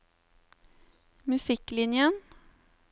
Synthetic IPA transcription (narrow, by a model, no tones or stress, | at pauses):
mʉsɪklɪnjən